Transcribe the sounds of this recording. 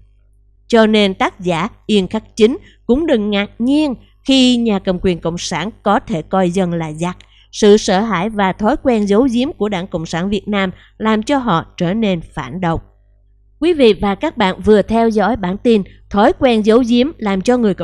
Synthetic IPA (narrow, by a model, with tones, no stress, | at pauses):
t͡ɕɔ˧ne˧nt̪aː˦˥k̚zaː˧˩ʔi˧ənxa˦˥k̚t͡ɕi˨˦ŋ̟ | kʊ̰˧˥ŋ͡mɗɨ˨˩ŋːaː˨˩k̚ɲi˧ən | xi˧ɲaː˨˩kə˨˩mkwi˨˩ənkə̰˧˨wŋ͡msaː˧˩nkɔ˨˦t̪ʰe˧˩kɔ˧jzə˧nlaː˨˩za˨˩k̚ | sɨ̰˧˨səː˧˩ɦaː˧˩jvaː˨˩t̪ʰɔ˨˦jkwɛ˧nzə˨˦wzi˨˦əmku˧˩əɗaː˧˩ŋkə̰˧˨wŋ͡msaː˧˩nvi˨˩ət̚naː˧m | laː˨˩mt͡ɕɔ˧ɦɔ̰˧˨t͡ɕəː˧˩ne˧nfaː˧˩nɗə˨wŋ͡m̚ | kwi˨˦vḭ˧˨vaː˨˩kaː˦˥k̚ɓa̰ː˧˨nvɨ˨˩ət̪ʰɛ˧wzɔ̰˧˥jɓaː˧˩nt̪i˧nt̪ʰɔ˨˦jkwɛ˧nzə˨˦wzi˨˦əmlaː˨˩mt͡ɕɔ˧ŋɨ˨˩əjk